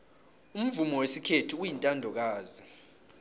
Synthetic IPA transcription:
um̩vumɔwesikʰetʰiujintʼandʱɔk̬aːzi

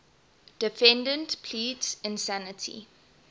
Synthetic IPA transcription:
d̥ɪfɛ̃ndə̃ntpʰliːtsɪ̃nsænətʰḭ

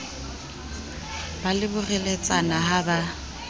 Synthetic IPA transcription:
balɪbʊrɛlet͡sʼanaɦaba

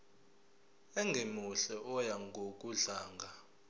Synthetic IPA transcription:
ɛŋɡʱemuɬɛʔɔjaŋɡʱokʼuɮaːŋɡʱa

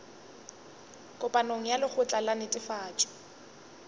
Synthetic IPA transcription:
kʼʊpʼanoŋ̩jalɪk͡xʰʊt͡ɬʼalanɪtʼɪfaːt͡ʃʼɔ̥

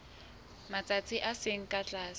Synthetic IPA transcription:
mat͡sʼat͡sʰʼiʔasɪŋ̩kʼat͡ɬʼaːs

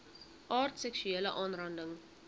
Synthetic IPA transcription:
ʔɑːrtsɛksyeːləʔɑːnrɐndəŋ

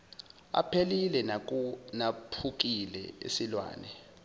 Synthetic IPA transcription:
a̰pʰelilɛnak̬unapʰuk̬ilɛ̰ḛsilwa̰ːnɛ

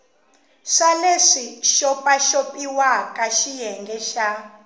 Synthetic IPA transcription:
ʂaleʂiʃɔpʼaʃopʼiwakʼaʃijɛŋɡɛʃa

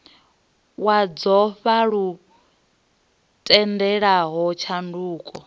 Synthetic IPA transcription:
wad͡zɔɸaɺu | tʼɛndɛɺaɦɔt͡ʃʰanduːkʼɔ

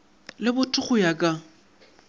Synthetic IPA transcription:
lɪbʊtʰʼʊχʊjakʼa

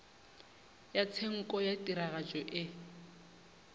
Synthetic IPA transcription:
jat͡sʰeŋ̩kʼɔjatʼiɾaɣad͡ʒɔʔɪ

